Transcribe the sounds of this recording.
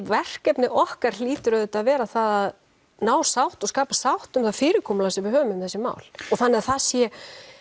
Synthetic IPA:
vɛr̥kɛpnɪʔɔhkaɾ̥liːt̪ʏɾœðʏt̪aðvɛːɾaθaðað | naːwsawht̪ɔskaːpasawht̪ʏmθafɪːɾɪkʰɔːmlasɛmvɪɦœːvʏmʏmθɛsːɪma̰ːwlɔθanːɛɾθaðsjɛ

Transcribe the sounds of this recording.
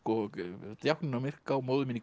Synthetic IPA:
kɔt̪jawhknɪnamɪr̥kawmoːwðʏmɪnːi

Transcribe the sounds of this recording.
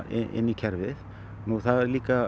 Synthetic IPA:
ḛnikʰɛɾʋɪð | nuθʰaliːka

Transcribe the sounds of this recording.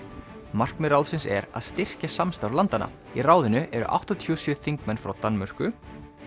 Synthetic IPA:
mar̥kmɪɾawðsɪnsɛ̰ɾa̰ðst̪ɪr̥casamst̪awɾlant̪ana̰ | iraːwðɪnʏʔɛɾʏ̰ʔa̰wht̪at̪ʰiɔsjœθiŋkmɛnfɾawt̪anːmœr̥kʏ

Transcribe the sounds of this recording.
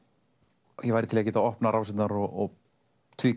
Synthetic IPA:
jɛvajɾɪt̪ʰɪlacɛːt̪aɔhpnaɾʔawsɪnaɾɔɔ | t̪ʰviː

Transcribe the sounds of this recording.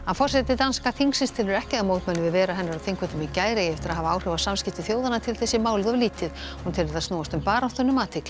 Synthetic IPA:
hanfɔr̥sɛt̪ɪt̪anskaθʰiŋksɪnst̪ʰɛlʏɾɛhcɪðamoːwt̪mɛnːɪvɪðvɛːɾaɦɛnːaɾaðθiŋkvɛt̪ɪmɪcaːjɾejɛft̪ɪɾaðɦavaaːwr̥ɛvasamscɪht̪ɪθjoːwðanat̪ʰɪlθɛsːɪmaːwlɪðavliːt̪ɪð | hunt̪ʰɛːnɪðaðst̪noːwast̪ʏmpaːɾawt̪œnːʏmat̪ʰɪkl

